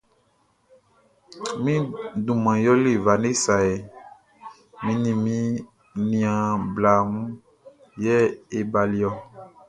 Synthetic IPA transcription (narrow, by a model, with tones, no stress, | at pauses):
mĩ˦dũ˨mã˨jɔ˦le˦˨va˨ne˦sa˨e˨ | mĩ˦nĩ˨mĩ˦ | nĩ˨ã˨bla˨mũ˦ | jɛ˦e˨ba˨li˦ɔ˦